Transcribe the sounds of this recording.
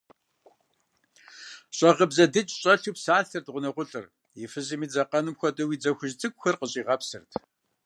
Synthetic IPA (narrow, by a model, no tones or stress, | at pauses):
ɕʼɐʁəbzɐdɨt͡ʃʼɕʼɐɬuːpsaːɬɨrdʁʷʊnɐqʷʊɬʼɨr | jɪfɨʑɨmiːd͡zɐqɐnɨmxʷɔtʼɐwiːd͡zɐxʷʊʒt͡sʼɨkʷxʷɐrqəɕʼiːʁɐpsɨrtʰ